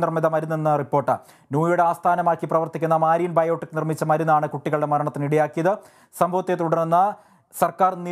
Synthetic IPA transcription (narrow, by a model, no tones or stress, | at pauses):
nirmiðɐmɐɾunːenːɐripːoːrʈːɨ̰ | nuːjuɽeaːst̪ʰaːnɐmaːkːiprɐʋɐrt̪ikʲːunːɐmaːɾijinbɐjoːʈːɨkːɨnirmit͡ɕːɐmɐɾunːaːɳɨkuʈːiɣɐɭɖe̞mɐɾɐɳɐt̪ːiniɽijaːkːijɐðɨ | sɐmbʱɐʋɐt̪ːet̪uɽɐrunːɐ | sɐrkaːrni